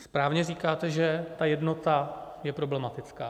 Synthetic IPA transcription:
spɾaːvɲɛriːkaːt̪ɛʒɛt̪ajɛdno̞t̪a | jɛpɾo̞blɛmat̪ɪt͡skaː

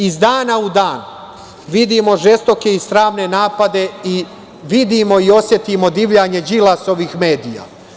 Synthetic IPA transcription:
izd̪aːnaud̪aːn | ʋid̪imo̞ʒe̞st̪o̞ke̞ist̪ɾaːʋne̞naːpad̪e̞i | ʋid̪imo̞io̞sje̞t̪imo̞d̪iʋʎaɲe̞d͡ʑilˠaso̞ʋiːxmeːd̪ija̰

